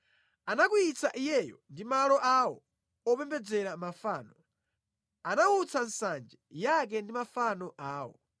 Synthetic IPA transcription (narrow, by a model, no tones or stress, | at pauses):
anak̬uit͡sʰaʔijɛjɔndimalɔʔawɔ̰ | ɔpɛmbɛd͡zɛɾamafaːnɔ | anaut͡sʰansand͡ʒɛjak̬ɛndimafanɔʔaːwɔ̰